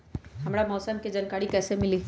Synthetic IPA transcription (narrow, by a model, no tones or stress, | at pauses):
ɦɐmɾamɔːsəmked͡ʒankaːɾikɛːsemɪliː